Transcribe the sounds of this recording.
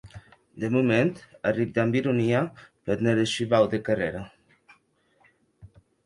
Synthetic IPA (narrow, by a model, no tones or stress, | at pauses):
d̪emument̪arib̚d̪ambiɾuniapeɾneɾesʃiβawd̪ekareɾa